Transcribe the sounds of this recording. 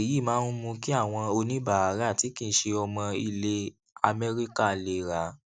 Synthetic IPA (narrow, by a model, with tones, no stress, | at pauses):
e˨ji˦˨mãː˨˦n˦mũ˧ki˦a˦˨w̃ɔ̃˧o˧nĩ˦ba˦˨a˨˦ɾa˦˨ti˨˦kĩ˦˨˦ʃe˧ɔ˧mɔ̃˧i˧le˦ | a˧mɛ˦ɾi˦ka˦˨le˨ɾa˨˦